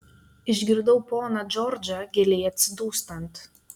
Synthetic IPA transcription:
ɪʒʲɡʲɪɾd̪ɐʊpoːnɐd͡ʒʲɔɾʲd͡ʒʲɐɡʲɛlʲɛjɐt̪ʲsʲɪd̪uːst̪ɐnt̪

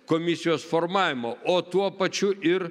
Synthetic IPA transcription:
komʲɪsʲɪjoːsfoɾmɑːʋʲɪmoːoːt̪uɔpɐt͡ʃʲʊɪɾ

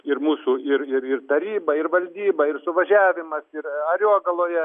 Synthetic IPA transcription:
ɪrmuːsuɪɾɪɾɪrt̪ɐɾʲiːbɐɪrʋɐlʲd̪ʲiːbɐɪrsʊʋɐʒʲæːʋʲɪmɐsɪɾɐɾʲuɔɡɐlˠoːjɛ

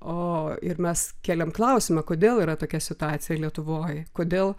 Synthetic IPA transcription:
oːɪɾmʲɛskʲeːlʲɛmklˠɐʊsʲɪmɐkoːd̪ʲeːlˠiːɾɐt̪oːkʲɛsʲɪt̪ʊɑːt̪sʲɪjɛlʲiɛt̪ʊʋoːjkoːd̪ʲeːlˠ

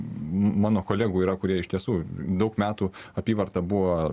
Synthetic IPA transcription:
mɑːnoːkoːlʲæːɡuːiːɾɐkʊɾʲiɛɪʃt̪ʲiɛsuːd̪ɐʊkmʲæːt̪uːɐpʲiːʋɐrt̪ɐbuʋoː

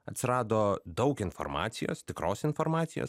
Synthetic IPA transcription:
ɐt̪ʲsʲɪɾɑːd̪oːd̪ɐʊkɪnfɔ̰ɾmɑ̰ːt̪sʲɪjo̰ːst̪ʲɪkɾoːsɪnfoɾmɑːt̪sʲɪjo̰ːs

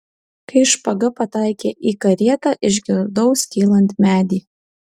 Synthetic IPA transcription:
kɐɪʃpɐɡɐpɐt̪ɐˑɪkʲeːʔiːkɐɾʲiɛt̪ɑʔɪʒʲɡʲɪɾd̪ɔʊskʲiːlˠɐnʲt̪ʲmʲæːd̪ʲiː

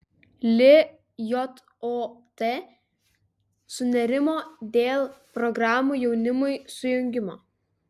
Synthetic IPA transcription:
lʲɪ | jɔt̪ | ot̪e | sʊnʲɛɾʲɪmoːd̪ʲeːlˠpɾɔɡɾɑːmuːˑjɛʊnʲɪmʊɪsʊjʊŋʲɡʲɪmoː

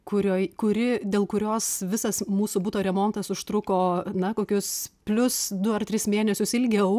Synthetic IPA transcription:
kʊɾʲoːkʊɾʲɪd̪ʲeːlˠkʊɾʲoːsʋʲɪsɐsmuːsʊbʊt̪oːɾʲɛmoːnt̪ɐsʊʃt̪ɾʊkoːnɐkoːkʲʊspʲlʲʊsd̪ʊɐrt̪ʲɾʲɪsmʲeːnʲɛsʲʊsɪlʲɡʲɛʊ

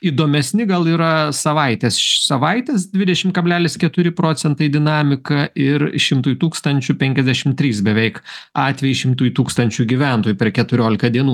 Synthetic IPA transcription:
iːd̪oːmʲɛsʲnʲɪɡɐlˠiːɾɐsɐʋɐɪt̪ʲeːsʃsɐʋɐɪt̪ʲeːsd̪ʲʋʲɪd̪ʲɛʃʲɪmkɐbʲlʲæːlʲɪskʲɛt̪ʊɾʲɪpɾoːt͡s̪ʲɛnt̪ɐɪd̪ʲɪnɑːmʲɪkɐɪɾʃʲɪmt̪uːjt̪uːkst̪ɐnʲt͡ʃʲʊpʲɛŋʲkʲɛzʲd̪ʲæʃʲɪmt̪ʲɾʲiːsbʲɛʋʲɛɪkɑːt̪ʲʋʲɛjiʃʲɪmt̪uːjt̪uːkst̪ɐnʲt͡ʃʲuɡʲiʋʲæˑnt̪oːjupʲɛrkʲɛt̪ʊɾʲoːlʲɪkɐd̪ʲiɛnuː

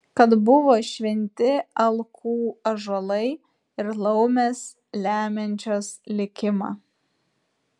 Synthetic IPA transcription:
kɐt̪bʊʋoːʃʲʋʲɛnʲt̪ʲɪɐlˠkʰuːɐʒɐlˠɐɪ | ɪɾlˠɐʊmʲeːs | lʲæːmʲɛnʲt͡ʃʲoːslʲɪkʲɪmɑ̰ː

